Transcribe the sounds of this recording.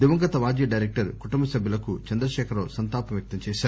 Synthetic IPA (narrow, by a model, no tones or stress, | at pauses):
d̪iʋɐŋɡɐt̪ɐʋaːd͡ʒjɐɖɐjɾek̚ʈɐɾkuʈumbɐsɐbʱjulɐkut͡ʃɐnd̪ɾɐʃɛːkʰɐɾloːsɐnt̪aːpɐmjɐk̚t̪ɐmt͡ʃɛːʃaːɾ